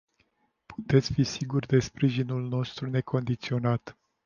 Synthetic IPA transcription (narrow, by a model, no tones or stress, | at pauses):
pu̥t̪e̞t̪sʲfisiɡurʲd̪e̞spɾiʒinulno̞st̪ɾune̞kʰo̞nd̪it̪sio̞nat̪